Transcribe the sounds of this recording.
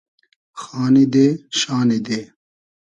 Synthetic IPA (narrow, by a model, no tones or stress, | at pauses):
xaːnid̪eːɕaːnid̪eː